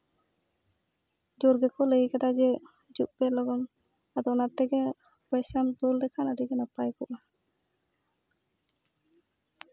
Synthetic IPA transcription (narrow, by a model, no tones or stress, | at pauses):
d͡ʒɔɾɡɛkɔləikat̪ad͡ʒɛ | d͡ʒuk̚bɛlɔɡɔn | ad̪ɔnat̪ːɛɡɛ | bɔjsamtuldɛkʰanadiɡɛnapajkɔʔa